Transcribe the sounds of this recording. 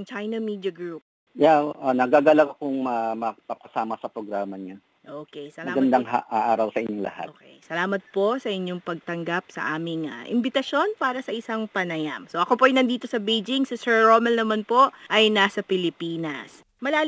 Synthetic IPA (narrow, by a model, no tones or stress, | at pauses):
ŋt͡ʃajnɐmid̪jɐɡɹup̚ | jaʔanɐɡaɡɐlaɡɐkoŋmɐmɐpɐpɐsaːmɐsɐpɾoɡɾaːmɐɲa | ʔoːkɛjsɐlmɐaɡɐnd̪aŋa̰ʔaːʔaːɾɐwsɐʔɪɲoŋlɐ̰ha̰tʔokḛjsɐlaːmɐt̪̚po̞sɐʔɪɲːo̞ŋpɐɡ̚t̪ɐŋɡap̚sɐ̰ʔaːmɪŋɐ̰ʔɪ̰mbɪt̪ɐʃjo̞npaːɾɐsɐʔɪsɐŋpɐnɐjamso̞ʔɐko̞poʔɐjnɐnd̪iːt̪o̞sɐbejd͡ʒɪŋsɪsɛɹɹoːmɛlnɐmanpo̞ʔʔɐjnasɐpɪlɪpiːnɐ̰s | mɐlaː